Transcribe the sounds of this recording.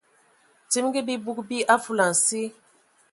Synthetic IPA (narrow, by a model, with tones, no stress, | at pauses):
ti˦mɡi˦bi˦bu˦k̚bi˦ʔa˦fu˦la˨n̩˨si˦